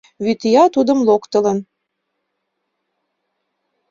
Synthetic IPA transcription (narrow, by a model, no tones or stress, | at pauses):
βyt̪ijɑt̪ud̪ə̆mlokt̪ə̆lə̆n